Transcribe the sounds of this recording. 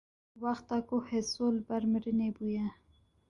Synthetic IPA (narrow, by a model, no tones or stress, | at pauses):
waxt̪akohesolbaɾmɾənebuja